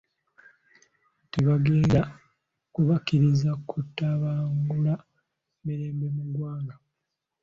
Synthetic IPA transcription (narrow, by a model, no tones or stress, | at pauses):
teβaɡe̞ːnda | kuβakiɾizakʰutːaβaːŋɡula | meɾeːmbe̞muɡwaːŋɡa